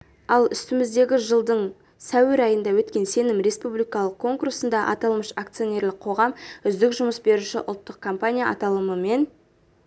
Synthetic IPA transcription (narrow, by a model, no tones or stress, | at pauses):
ɑlˠʏst̪ɪmɪzd̪e̞ɡʲɪʒəlˠd̪əɴ | sæweɾɑjənd̪ɑwɵt̪kʲe̞nse̞nɪmɾe̞spublijkɑlˠəq̚kʰo̞ŋkursənd̪ɑʔɑ̰t̪ɑlˠməʃak̚t̪sɨjo̞nʲe̞ɾlɪq̚qʰo̞ʁɑmʏzd̪ɪkʒʊməsbe̞ɾuʃɪ̰ʔʊ̰lˠt̪ːəq̚kʰompanʲijaʔɑ̰t̪ɑlˠəməme̞n